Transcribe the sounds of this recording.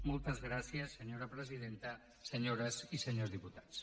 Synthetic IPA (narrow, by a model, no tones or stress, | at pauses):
molˠt̪əzɣɾasiəsːəɲoɾəpɾəzið̞ent̪ə | səɲoɾəzisəɲozðiput̪ḁt͡s